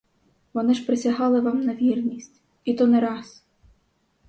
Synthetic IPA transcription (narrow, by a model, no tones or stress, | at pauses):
ʋɔnɪʒpɾɪsʲaɦɑlˠɪʋɑmnɐʋʲirnʲisʲtʲ | it̪ɔnɛɾɑs